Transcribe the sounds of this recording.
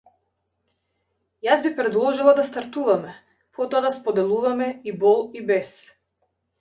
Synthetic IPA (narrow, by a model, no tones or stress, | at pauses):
jazbipɾɛd̪lˠɔʒilˠad̪ast̪aɾt̪uvamɛ | pʰɔt̪ɔad̪aspɔd̪ɛlˠuvamɛibɔlˠibɛs